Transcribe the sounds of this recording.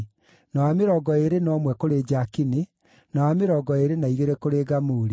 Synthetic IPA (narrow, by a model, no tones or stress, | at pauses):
naameɾɔɡɔeɾenɔːmwɛkoɾed͡ʑakine | nawameɾɔɡɔeɾenaiɣeɾɛkoɾeːɡamuɾi